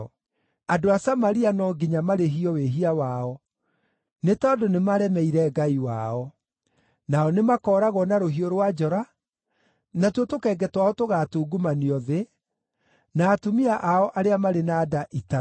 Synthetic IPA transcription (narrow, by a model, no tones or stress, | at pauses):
adoasamaɾianɔɡiɲamaɾeɦiɔweɦiawaɔ | netɔːdonemaɾɛmɛiɾɛɡaiwa̰ɔ | naɔnemakɔːɾaɣɔnaɾoɦioɾwad͡ʒɔɾa | natwotokɛːɡɛtwaɔtoɣatuːɡumaniɔðe | naːtomiaʔaɔʔaɾeamaɾenaːdaʔita